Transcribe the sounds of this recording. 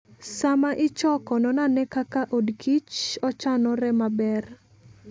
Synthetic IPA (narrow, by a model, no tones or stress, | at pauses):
samaʔɪt͡ʃɔkɔnɔnanɛkakaʔodkʰit͡ʃɔt͡ʃanɔɾɛmabɛr